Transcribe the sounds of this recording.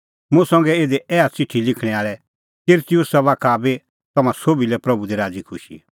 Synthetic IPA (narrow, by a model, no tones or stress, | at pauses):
mũsɐ̃ŋɡɛeːd̪ɛʔɛːat͡sɪʈʰːilɪkʰɽ̃ɛ̃aːɭɛ | kɪɾt̪ijʊsaʋaːkʰabe | t̪ɐmãsoːbilɛpɾɐbud̪iɾaːd͡zikʰʊʃḭ